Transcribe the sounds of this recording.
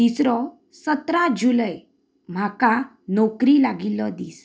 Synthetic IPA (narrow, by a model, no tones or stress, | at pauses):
t̪isɾɔ | sət̪ɾãd͡ʑuləj | m̤akã | nɔkɾilaɡilɔd̪iːs